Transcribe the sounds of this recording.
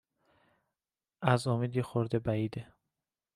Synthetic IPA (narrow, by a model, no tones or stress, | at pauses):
æzomiːd̪jexoɾd̪ebæiːd̪e